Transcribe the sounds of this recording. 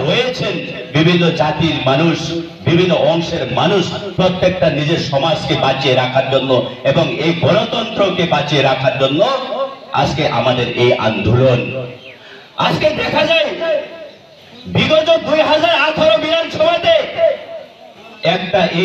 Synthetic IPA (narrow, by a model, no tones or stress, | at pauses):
ɦojet͡ɕʰen | bibʱinːod͡ʑat̪iɾmanuʃ | bibʱinːoʔɔŋʃeɾmanuʃpɾot̪ːek̚ʈanid͡ʑeɾʃɔmad͡ʑkebat͡ɕieɾakʰaɾd͡ʑonːoeboŋejɡɔnot̪ɔnt̪ɾokebat͡ɕieɾakʰaɾd͡ʑonːoa̰d͡ʑkeʔa̰mad̪eɾejʔa̰nd̪ʱulon | a̰d͡ʑked̪ɛkʰad͡ʑaj | biɡod͡ʑod̪ujɦad͡ʑaɾat̪ʰoɾobiɾanʃɔmat̪e | ɛk̚ʈaʔe